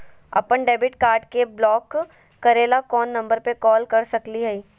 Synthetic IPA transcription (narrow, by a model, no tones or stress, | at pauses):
ɐ̰pəɳɖeːbɪʈkaːɾɖkeblɔːkː | ɐɾeːlakɔːnːɐ̃mbəɾpekɔːlkɐɾsɐkliɦɛiː